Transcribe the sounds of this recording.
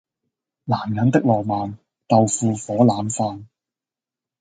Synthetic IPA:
laː˨˩mjɐ˨˥nt̪ɪ˥k̚lɔː˨˩maː˨m | t̪ɐ˨˧wfuː˨˧fɔː˨˥laː˨˥mfaː˧n

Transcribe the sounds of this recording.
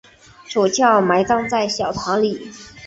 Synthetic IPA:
ʂo˨˩ʊt͡ɕʰjɑ˥˩ʊma˧˥ɪkɑ˥ŋt͡sa˥˩ɪɕjɑ˨˩ʊt̪ʰɑ˧˥ŋli˨˩˦

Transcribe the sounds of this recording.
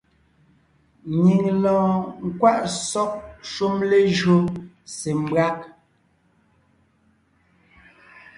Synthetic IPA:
ɲi˨ŋlɔ̃ː˨ŋ̩˨kwa˦ʔsɔ˦k̚ʃu˦mle˦ʒo˦ | se˨m˨˦bɰa˦k̚

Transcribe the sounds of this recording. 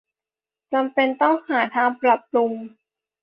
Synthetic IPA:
t͡ɕa˧mpe˧nt̪ɔ˥˩ŋhaː˩˦t̪ʰaː˧ŋpɾa˨˩p̚lu˧ŋ

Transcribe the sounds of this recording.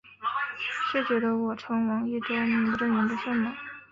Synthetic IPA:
ɕɛ˥˩t͡ɕɛ˧˥d̪ə˧wɔ˨˩ʈ͡ʂʰɤ˧˥ŋwɑ˧˥ŋi˥˩ʈ͡ʂo˥ʊni˧˥pu˧˥ʈ͡ʂə˥˩nmi˧˥nd̪ə˧ʂə˥˩nmɑ˨˩˦

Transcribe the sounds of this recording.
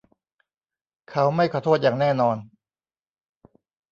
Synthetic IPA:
kʰa˦˥wma˥˩jkʰɔː˧t̪ʰoː˥˩t̪̚jaː˨˩ŋnɛː˥˩nɔː˧n

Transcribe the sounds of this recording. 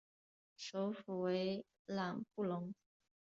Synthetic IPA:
ʂo˧˥ʊfu˨˩we˧˥ɪ | la˨˩ŋpu˥˩lʊ˧˥ŋ

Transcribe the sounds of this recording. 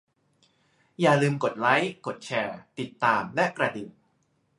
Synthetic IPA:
jaː˨˩lɯː˧mko˨˩t̪̚la˦˥jko˨˩t̪̚t͡ɕʰɛː˧t̪i˨˩t̪ːaː˧mlɛ˦˥ʔkɾa˧di˨˩

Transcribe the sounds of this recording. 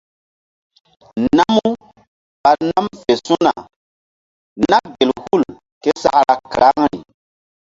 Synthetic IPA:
na˦mu˦ | ɓa˨na˦mfe˨su˦na˨ | na˦ɡe˨lhu˦˨l | ke˦sa˦ɾa˨kɾa˦ŋɾḭ˨

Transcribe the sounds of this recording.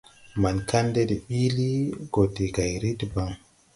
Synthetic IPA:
ma˨nka˦nde˦de˨ɓi˦li˦ɡo˨te˨ɡa˨jɾi˦tba˨ŋ

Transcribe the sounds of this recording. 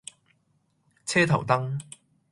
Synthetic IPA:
t͡sʰɛː˥t̪ʰɐ̰˨˩wt̪ɐ˥ŋ

